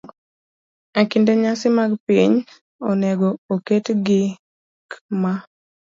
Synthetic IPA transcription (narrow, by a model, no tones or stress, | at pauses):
akindeɲasɪmaɡpiɲ | ɔneɡooketɡɪ | kma